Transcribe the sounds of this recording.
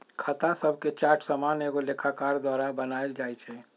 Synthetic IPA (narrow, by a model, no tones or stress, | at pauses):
kʰət̪asəbʱket͡ʃaːɾʈʰsamaːneɡolekʰakaːɾd̪waːɾabənaed͡ʒaːɛt͡ʃʰɛ